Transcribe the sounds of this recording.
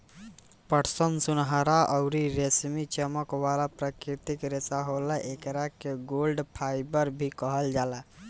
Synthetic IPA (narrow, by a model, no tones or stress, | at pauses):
pəʈʰsənsunɦaɾaʔəʊɾiɾesmit͡ʃəməkʋalapɾakɾit̪ikɾesaɦoləʔekɾakeɡolɖpʰajbəɾbʱikəɦəld͡ʒala